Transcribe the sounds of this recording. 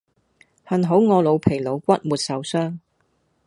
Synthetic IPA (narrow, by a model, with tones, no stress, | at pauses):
hɐ˨nɦo˨˥wŋɔː˨˧lo˨˧wpʰe˨˩jlo˨˧wkʷɐ˥t̚muː˨t̚sɐ˨wsœː˥ŋ